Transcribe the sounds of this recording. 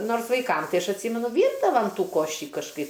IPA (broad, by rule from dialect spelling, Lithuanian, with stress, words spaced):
ˈnoːrs ʋɐɪˈkɐm ˈtɐɪ ˈɐʃ ɐtʲˈsʲiːmʲɛnʊ ˈʋʲiːrdɐʋɐm ˈtuː ˈkoːʃʲɪ kɐʃˈkɐɪp